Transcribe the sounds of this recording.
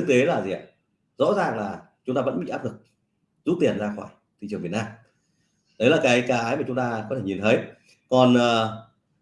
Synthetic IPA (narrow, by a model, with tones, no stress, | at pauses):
t̪e˨˦laː˨˩zḭ˨ə˨˩ | zɔ̰˧˥zaː˨˩ŋlaː˨˩ | t͡ɕʊ˨˦ŋ͡mt̪aː˧və˧˥nɓḭ˧ʔaː˦˥p̚lɨ˨˩k̚ | zu˦˥t̪̚i˨˩ənzaː˧xwa̰ː˧˩j | t̪ʰḭ˧˨t͡ɕɨ˨˩ŋvt̚naː˧m | ɗə˨˦jlaː˨˩kaː˨˦jkaː˨˦aː˨˦jmaː˨˩t͡ɕʊ˨˦ŋ͡mt̪aː˧kɔ˨˦t̪ʰe˧˩ɲi˨˩nt̪ʰə˨˦j | kɔ˨˩nʔəː˨˩